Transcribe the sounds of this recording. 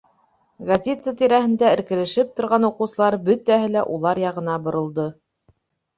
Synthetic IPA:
ɡɐzʲet̪ːət̪iɾæhɘ̆nd̪æɘ̆ɾkɘ̆lɘ̆ʃɘp̚t̪ŏɾʁɑnuqɤ̆wsɤ̆lˠɑɾbɵt̪æɦɘlæʔulˠɑɾjɑʁɤ̆nɑbŏɾŏlˠd̪o

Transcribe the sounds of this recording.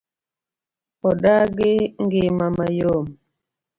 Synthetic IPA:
ɔɗaɡeŋɡemamajom

